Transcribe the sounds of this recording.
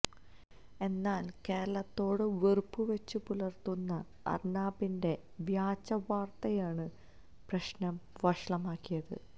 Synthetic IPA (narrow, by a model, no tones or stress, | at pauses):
e̞nːaːlke̞ːɾɐɭɐt̪ːo̞ːɽɨʋerpːuʋet͡ɕːɨpulɐrt̪unːɐ | ɐ̰rnaːbinde̞ | ʋjaːt͡ɕːɐʋaːrt̪ɐjaːɳɨ | prɐɕnɐmʋɐʂɭɐmaːkːijɐðɨ̰